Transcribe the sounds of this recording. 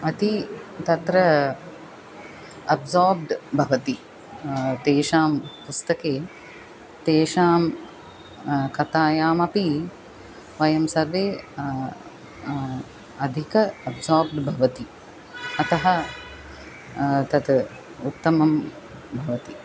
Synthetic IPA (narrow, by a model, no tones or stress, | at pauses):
ɐt̪it̪ɐt̪ɾɐ | ɐbzoːɾbɖbʱɐʋɐt̪i | t̪eːʃaːmpust̪ɐkeː | t̪eːʃaːm | kɐt̪aːjaːmɐpi | ʋɐjɐmsɐɾʋeː | ɐd̪ʱikɐɐbzoːɾb̚ɖbʱɐʋɐt̪i | ɐt̪ɐɦɐ | t̪ɐt̪ | ut̪ːɐmɐm | bʱɐʋɐt̪i